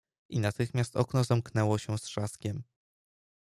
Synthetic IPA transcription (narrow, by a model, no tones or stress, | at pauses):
ʔinat̪ɘxmʲjast̪ɔ̰knɔzamknɛwɔɕɛsʂaskʲɛm